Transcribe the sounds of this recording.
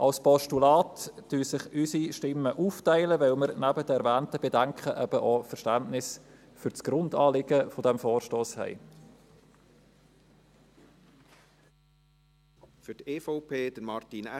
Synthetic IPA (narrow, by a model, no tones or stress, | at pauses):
ʔɑlspɔʃtulɑːtːyːsɪχysiʃtɪmːəʔuːftæɪləvɛlməɾnæbəd̥ɛɛɾvæːntəb̥edæŋkχəʔɛb̥əʔofɛɾʃtæntnɪs | fʏɾt͡sɡ̥ɾʊndɑːlɪɡəfodɛmfoːrʃtoːshɛ̰ɪ | fyteːfɔʊpʰeːd̥əɾmɑɾtinɛ